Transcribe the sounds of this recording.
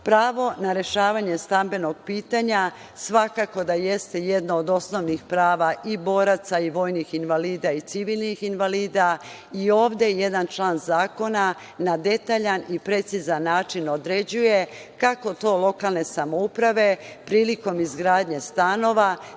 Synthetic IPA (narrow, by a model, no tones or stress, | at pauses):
pɾaːʋo̞naɾe̞ʃaːʋaɲe̞st̪ambe̞no̞ɡ̚piːt̪aɲa | sʋakako̞d̪aje̞st̪e̞je̞d̪nood̪o̞sno̞ʋnixpɾaːʋaʔibo̞ːɾat̪saiʋo̞ːjnixinʋaliːd̪ait̪siʋiːlnixinʋaliːd̪a | io̞ːʋd̪e̞je̞d̪ant͡ʃlaːnzaːko̞na | nad̪e̞t̪aːʎanipɾe̞t̪sizanːaːt͡ʃino̞d̪ɾe̞d͡ʑuje̞ | kako̞t̪o̞ːlˠo̞kalne̞samo̞upɾaʋe̞pɾiːliko̞mizɡɾaːd̪ɲe̞st̪ano̞ʋa